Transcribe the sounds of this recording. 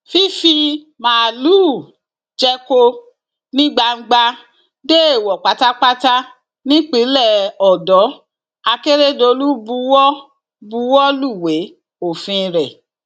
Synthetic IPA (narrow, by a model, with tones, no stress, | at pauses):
fi˦fi˧ | mã˨luː˦˨ | d͡ʒɛ˧ko˧ | nĩ˦ɡ͡ba˧ŋ̩˦ɡ͡ba˧ | de˦e˦˨wɔ˨k͡pa˨˦ta˦k͡pa˦ta˦ | nĩ˦k͡pi˨˦lɛ˦˨ɔ˨dɔ˨˦ | a˧ke˦ɾe˦do˧lu˦bu˨˧˦wɔ˦ | bu˨˦wɔ˦lu˦˨we˨˦ | o˨fĩ˧ɾɛ˨